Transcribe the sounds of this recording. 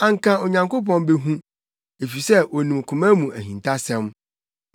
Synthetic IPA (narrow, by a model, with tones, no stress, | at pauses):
ã˨ŋ˦kʰã˨o˨ɲã˨ŋko˦pɔ̃˦nbe˦ɦũ˦ | e˨fi˨sɛ˦o˨nĩ˨m˨kʰʊ̃˨mæ̃˦mũ˨æ˨ɦĩ˨ntʰa˦sɛ̃˦m